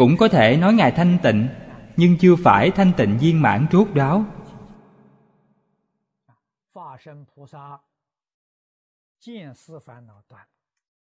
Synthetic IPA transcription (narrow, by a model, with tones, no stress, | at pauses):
kʊ̰˧˥ŋ͡mkɔ˨˦t̪ʰe˧˩nɔ˨˦jŋaː˨˩jt̪ʰa˧jŋ̟t̪ḭ̈˧˨ŋ̟ɲɨ˧ŋt͡ɕɨ˧əfaː˧˩jt̪ʰa˧jŋ̟t̪ḭ̈˧˨ŋ̟zi˧ənma̰ː˧˥ŋt͡ɕu˦˥k̚ɗa˨˦w | fa˧ʂə˧˩ŋpʰu˧˥sa˧ | t͡ɕi˥˩nsɹ̩˧fa˧˥nna˧˩t̪wa˧˩n